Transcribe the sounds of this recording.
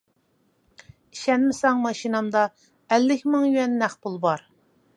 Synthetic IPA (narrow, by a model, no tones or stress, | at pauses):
iʃɛnmɪsɑŋmɑʃinɑmd̪ɑ | ælːɪkʲmɨŋjyɛnːæχbulˠbɑɾ